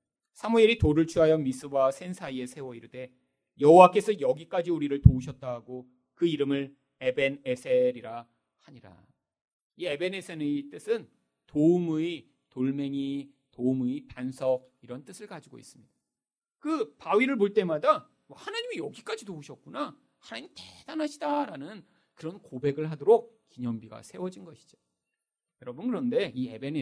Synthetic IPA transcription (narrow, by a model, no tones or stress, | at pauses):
sʰamuiɾitoɾɯɭt͡ɕʰuɦajʌmis͈ɯbwasʰe̞nsʰaie̞sʰe̞wʌiɾɯde̞ | jʌɦowak͈e̞sʰʌjʌɡik͈ad͡ʑiuɾiɾɯɭtouɕʰʌt̚t͈aɦaɡo | kɯiɾɯmɯɭ | e̞be̞nesʰeɾiɾa | haɲiɾa̰ | ie̞be̞nesʰenɯit͈ɯsʰɯn | toumui | toɭme̞ŋi | toumuipansʰʌɡ | iɾʌnt͈ɯsʰɯɭkad͡ʑiɡo̰ḭs͈ɯmɲid̥a | kɯpawiɾɯɭmoɭt͈e̞mada | wʌhanaɲimijʌɡik͈ad͡ʑidouɕʰʌk̚k͈una | hanaɲimited̥anɦaɕʰidaɾanɯn | kɯɾʌnkobe̞ɡɯɭɦadoɾok̚kiɲʌmbiɡa̰sʰe̞wʌd͡ʑinɡʌɕʰi̥d͡ʑo̥ | jʌɾʌbunkɯɾʌnde̞ie̞ben